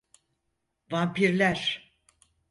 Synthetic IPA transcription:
vaːpiɾlʲæɾ̥

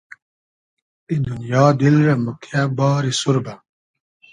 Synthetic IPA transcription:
ind̪unjɔːd̪ilɾɛmukʰabɔːɾisuɾba

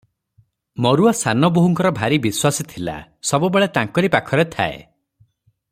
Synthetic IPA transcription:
mɔɾuasanɔboɦuŋkɔɾɔbʱaɾibiswasit̪ʰila̰sɔbubeɭet̪aŋkɔɾipakʰɔɾet̪ʰa̰ḛ

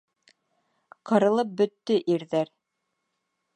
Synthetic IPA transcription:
qɤ̆ɾɤ̆lˠɤp̚bɵ̆t̪ːɵʔiɾðæɾ

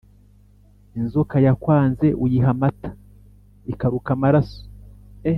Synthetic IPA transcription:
inzokajakwaːnze̞ʔujiɦamatḁ | ikaɾukamaɾaso̥e

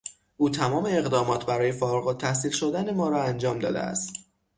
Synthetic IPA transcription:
ʔuːt̪ʰæmɒːme̞eɣd̪ɒːmɒːt̪ʰbæɾɒːje̞foːɾɣot̪ʰæhsiːlʃod̪æne̞mɒːɾɒːænd͡ʒɒːmd̪ɒ̰ːd̪ḛæ̰st̪

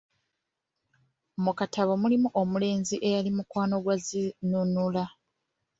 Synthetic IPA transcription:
mukatʰaβomulimuʔomule̞ːnziʔe̞jalimukwaːno̞ɡwazinunula

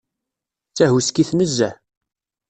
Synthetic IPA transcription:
t͡sːæhuskiθməzːæ

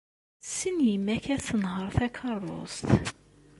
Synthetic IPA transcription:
sinjimːæçæθənhəɾˤθækʰɑrˤːo̰st̪

